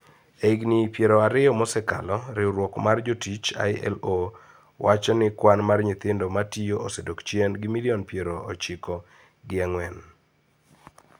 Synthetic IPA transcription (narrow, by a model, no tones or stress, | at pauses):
eiɡnɪpjeɾɔaɾɪɔmɔsɛka̰lɔɾɪɾwɔkmard͡ʒotit͡ʃa̰jɛ̰lo | wʔat͡ʃɔnɪkwanmarɲɪt̪ɪndɔmatijoʔosɛdokt͡ʃjɛnɡɪmiliɔnpjeɾoot͡ʃɪkɔ | ɡɪaŋwɛn